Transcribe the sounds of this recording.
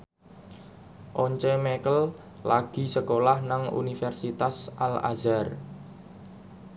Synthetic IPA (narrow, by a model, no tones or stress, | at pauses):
ʔɔɲt͡ʃɛmekəl | laɡ̥i̤səkolahnaŋṵnifɛrsit̪asʔala̰zar